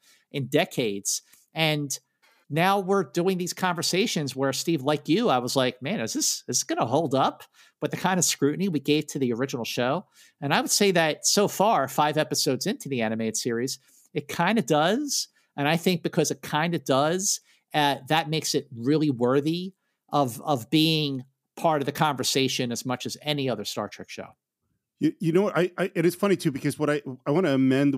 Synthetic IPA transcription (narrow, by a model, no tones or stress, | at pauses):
ʔɨ̃ndɛkʰeɪdz̥ | ɨ̃nː | aʊwɪɹduɪ̃ŋðiz̥kʰɑ̃ɱvə˞seɪʃɨ̃nzwə˞stivlaɪkjɨaɪwʌzlaɪk̚mæ̃nɨzðɪsɨzsɡ̥ʌnəɦoʊlˠdʌp | w̥ɨt̪̚ðɨkʰãɪ̃ndɨskɹʉʔn̩iwiɡeɪv̥tʰɨðiə˞ɪd͡ʒɨnl̩ˠʃoʊ | ɨ̃ñaɪwɨd̥seɪðɨt̚soʊfɑɹfaɪvɛpɨsoʊdzɪ̃ntʰʉðiæɾ̃ɨmeɪɾɨd̥sɪɹiz̥ | ɨt̚kʰãɪ̃ndɨdʌz̥ | ʔɨ̃ñaɪθɪ̃ŋk̚b̥ɨkʰʌzɨt̚kʰãɪ̃ndɨd̥ʌz | ɨt̪̚ðɨt̚meɪksɨt̚ɹɪlˠiwɜ˞ði | ʔʌvʌvbiɪ̃ŋ | pʰɑɹɾʌvðɨkʰɑ̃ɱvə˞seɪʃɨ̃nɨzmʌt͡ʃɨzɛniʌðə˞stɑ̰ɹtʰɹ̥ɛ̰kʃo̰ʊ | jɨjɨnoʊwʌɾaɪʔaɪʔɨɾɨz̥fʌñitʰʉbɨkʰʌzwʌɾaɪaɪwɑ̃ɾ̃ɨːmɛ̃nd